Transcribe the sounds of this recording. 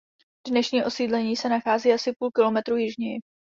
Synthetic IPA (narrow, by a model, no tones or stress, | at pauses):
d̥nɛʃɲiːʔo̞siːdlɛɲiːsɛnaxaːziːasɪpuːlkɪlo̞mɛt̪ɾuːjɪʒɲɪ